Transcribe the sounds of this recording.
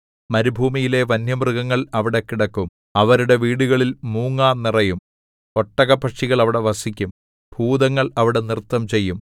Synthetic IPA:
mɐɾubʱuːmijile̞ʋɐnjɐmrɨɣɐŋːɐɭɐʋiɽe̞kːiɽɐkːum | ɐʋɐɾuɽe̞ʋiːɽuɣɐɭilmuːŋːaːnnirɐjum | o̞ʈːɐɣɐpɐʂiɣɐɭɐʋiɽe̞ʋɐsikʲːum | bʱuːd̪ɐŋːɐɭɐʋiɽe̞nirt̪ːɐmt͡ɕe̞jːum

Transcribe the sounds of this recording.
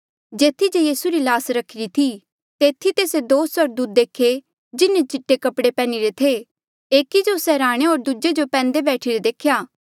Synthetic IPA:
d͡ʒeːt̪ʰid͡ʒejiːsuɾilaːsɾɐkʰɪɾit̪ʰi | t̪eːt̪ʰit̪eːsed̪oːsəɾd̪uːt̪̚d̪eːkʰe | d͡ʒɪnːẽt͡ʃɪʈːekɐpɽepɛ̃ːniɾet̪ʰe | eːkid͡ʒosɛɾaːɽ̃eoːɾd̪ud͡ʒed͡ʒopɛ̃ːnd̪ebɛːʈʰiɾed̪eːkʰjaː

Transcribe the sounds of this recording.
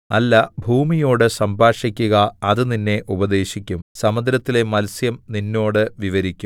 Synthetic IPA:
ɐlːɐbʱuːmijo̞ːɽɨsɐmbʱaːʂikʲːuɣɐɐðɨninːe̞ʔubɐd̪e̞ːɕikʲːumsɐmɐd̪ɾɐt̪ːile̞mɐlsjɐmninːo̞ːɽɨʋiʋɐɾikʲːum

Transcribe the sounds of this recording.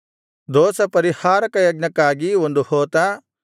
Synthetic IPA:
d̪ɔːsɐpɐɾihaːɾɐkɐjɐɡnɐkːaːɡiond̪uhoːt̪aː

